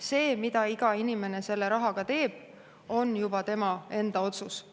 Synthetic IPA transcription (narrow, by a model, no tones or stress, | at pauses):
se̞ːmid̪̥ɑiɡ̥ɑinime̞ne̞se̞lːe̞ɾɑɦɑɡ̥ɑt̪e̞ːb̥ | o̞njubɑt̪e̞mɑe̞nd̪̥ɑo̞t̪sus